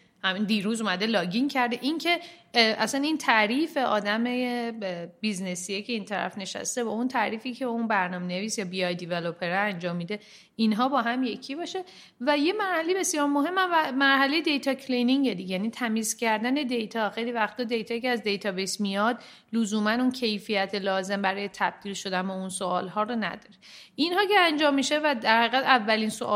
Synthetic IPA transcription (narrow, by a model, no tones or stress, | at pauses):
hæmind̪iːɾuːzuːmæd̪e̞lɒːɟiŋcʰæɾd̪eʔincʰe̞ʔæ̰sænint̪ʰæɾiːfe̞ʔɒːd̪æme | biznesijecʰe̞int̪ʰæɾæ̰fne̞ʃæ̰st̪ebɒunt̪ʰæɾiːfiːcʰeunbæɾnɒːme̞ne̞viːsjɒːbiɒjd̪ivelopʰeɾɛænd͡ʒɒːmːid̪e̞ | inɦɒːbɒːɦæmje̞cʰibɒːʃe | væje̞mæɾhæle̞jebe̞sjɒːɾmoɦe̞mːæmvæmæɾɦæle̞jed̪e̞jt̪ʰɒːcʰlijniŋɟed̪iɟejæniːt̪ʰæmiːzcʰæɾd̪æne̞d̪e̞jt̪ʰɒːxejliːvæxt̪ʰɒd̪e̞jt̪ʰɒːicʰeæzd̪e̞jt̪ʰɒːbesmijɒd̪ | luzuːmænuncʰe̞jfijæt̪ʰelɒːze̞mbæɾɒːje̞t̪ʰæb̥̚d̪̥ilʃo̞d̪ænbounsoɒːlɦɒːɾonæ̰d̪̥ɒːɾeinhɒːceænd͡ʒɒːmːiʃevæd̪æɾhæɣiɣæd̪ævːæliːnsoʔ